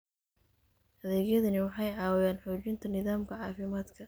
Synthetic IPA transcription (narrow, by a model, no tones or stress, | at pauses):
ʔɐðɛːɣjɐðɐnɪwɑħɑjʕɑːwɛjaːnħuːt͡ʃɪnt̪ʰɐnɪðaːmkʰɐʕɑːfɪmaːd̪kʰɐ